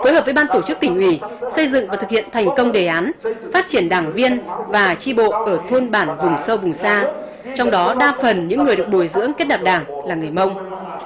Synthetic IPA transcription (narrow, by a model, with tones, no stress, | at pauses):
foː˨˦jɦəː˨˩p̚vːjɓaː˧nt̪o˧˩t͡ɕɨ˦˥k̚t̪ï˧˩ŋ̟ʔwi˧˩sə˧jzɨ̰˧˨ŋvaː˨˩t̪ɨ˨k̚hḭ˧˨ənt̪ʰɛ˨˩jŋ̟kə˧wŋ͡mɗe˨˩ʔaː˨˦nfaː˦˥t̚t͡ɕi˧˩ənɗaː˨˩ŋvi˧ənvaː˨˩t͡ɕi˧ɓo̰˧˨ʔəː˧˩t̪ʰo˧nɓaː˧˩nvʊ˨˩ŋ͡msə˧wvʊ˨˩ŋ͡msaː˧ | t͡ɕɔ˧wŋ͡mɗɔ˨˦ɗaː˧fə˨˩nɲɨ̰˧˥ŋːɨ˨˩əjɗɨ˨˩ək̚ɓu˨˧˩jzɨ̰˧˥əŋke˦˥t̚ɗaː˨˩ɗaː˨˩ŋlaː˨˩ŋɨ˨˩əjmə˧wŋ͡m